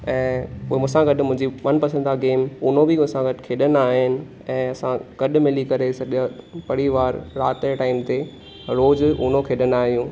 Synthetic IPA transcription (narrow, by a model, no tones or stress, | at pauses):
ɛ̃ːʊemʊ̃ɦsãɡɐɗmʊ̃ɦɪ̃ɲd͡ʑiɓɐnpɐsʰə̃nd̪aɡeːmʊnobɪʊ̃sãɡɐɗkʰeːɗənaːɦɪnɪ̆ | ɛ̃ːɐsãɡ̥ɐɗʊ̆mɪlikɐɾesɐʄəpɐɽiʋaːɾɾaːt̪eʈaːɪmt̪e | ɾoːzʊːnokʰeːɗənaːɦijũː